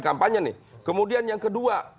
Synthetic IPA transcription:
kampaɲənɪ̰kəmudianjaŋkədua

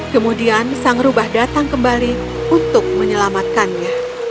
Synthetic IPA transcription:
kəmudiansaŋɾubahdat̪aŋkəmbali | unt̪ʊk̚məɲəlamat̪̚kanɲa

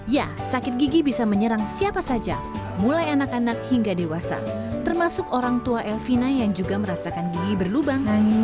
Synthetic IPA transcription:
ja | sakɪt̪̚ɡiɡibisaməɲəɾaŋsiapasad͡ʒa̰ | mulajanakanak̚hiŋɡadewasa̰ | t̪ərmasʊkoɾaŋt̪uaʔɛlfinajaŋd͡ʒuɡaməɾasakanɡiɡibərlubaŋ

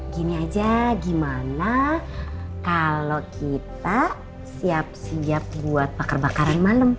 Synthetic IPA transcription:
ɡiniad͡ʒaɡimana | kalokʰit̪a | siap̚siap̚buat̪̚bakərbakaɾanmaləm

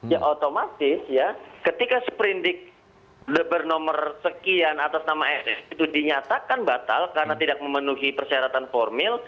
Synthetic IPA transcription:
jaʔot̪omat̪ɪsjakət̪ikasə̥pəɾindɪk̚ | dəbərnomərsəkianat̪asnamaɛsɛsit̪udiɲat̪akanbat̪a̰lkaɾənat̪idak̚məmənuɦipərsiaɾat̪anformɪl

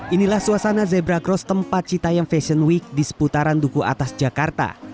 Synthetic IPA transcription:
ʔinilahsuasanazɛbɾaɡɾɔst̪əmpat̪̚t͡ʃit̪ajaŋfɛsənwik̚disə̥put̪aɾandukuʔa̰t̪asd͡ʒakart̪a̰

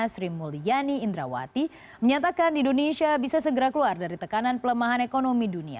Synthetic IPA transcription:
sɾimulijaniːnd̪ɾa̰wa̰t̪i | məɲat̪akandiindonesiabisasəɡəɾakəluardaɾit̪əkananpələmaɦanekonomidunia̰

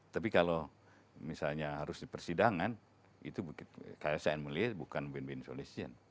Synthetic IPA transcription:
t̪ap̬ikalo | misalɲaɦaɾʊsdipərsidaŋan | ḭt̪ubukɪt̪kajasaɛnmuliɛbukanbɛnbɪnso̰lesiə̰n

